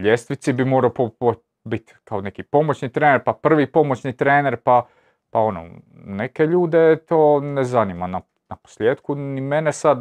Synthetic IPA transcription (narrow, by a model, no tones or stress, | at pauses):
ʎest̪ʋit̪sibimoːɾaopopo | bit̪kaone̞kipo̞mot͡ɕniːt̪ɾeːneɾpapr̩ʋipo̞mo̞t͡ɕnit̪ɾeːneɾpa | pao̞no̰ | nekeʎuːd̪et̪oːnezanimana | napo̥slʲjeːd̪kunimenesad̪